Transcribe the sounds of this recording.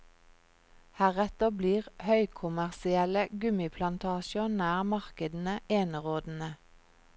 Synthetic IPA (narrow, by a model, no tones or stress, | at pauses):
hæːʁɛt̪əbliːʁhœʏkʰʊmæʁsɪɛləɡʉmɪpʰlɑnt̪ʰɑːʃəɔnæːʁmɑʁkəd̪n̩əeːnəʁoːd̪n̩ə